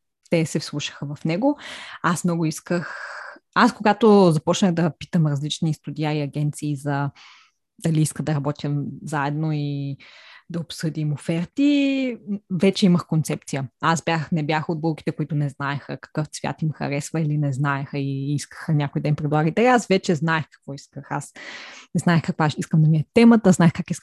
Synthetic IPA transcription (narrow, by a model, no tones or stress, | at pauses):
t̪ɛsɛfslˠuʃə̥xəvɐfnɛɡoasmnɔɡʊiskəxaskoɡat̪ozɐpɔt͡ʃnəɣd̪ɐpi̥t̪əmɾɐzlit͡ʃnist̪ud̪ʲiaiɐɡʲɛnt̪siːzɐ | d̪̥ɐliiskəd̪ɐɾɐbɔt̪ʲjəzaɛd̪noi | d̪ɐopsɤd̪imofɛɾt̪i | vɛt͡ʃɛiməxkont̪sɛp̚t̪sijəasbjaxnɛbjaxod̪̚bolˠki̥t̪ɛkoit̪ʊnɛznaɛxəkɐ̥kɤft̪svʲja̰t̪imxɐ̰ɾɛsvəilinɛznaɛxəiiskə̥xənʲakoijd̪ɛimpɾɛd̪lˠaɡəit̪ɛasvɛt͡ʃɛznaɛxkɐ̥kvɔiskəxasnɛznaɛxkɐkvaiskəmd̪ɐmiət̪ːɛmət̪əznaɛxkakisk